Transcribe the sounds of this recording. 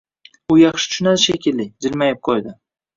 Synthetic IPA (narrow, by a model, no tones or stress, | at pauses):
ʊjɑχʃɪ̥t͡ʃʰʊnazʃekʲɪlːɪd͡ʒɪlmajɪp̚qʰojd̪ɪ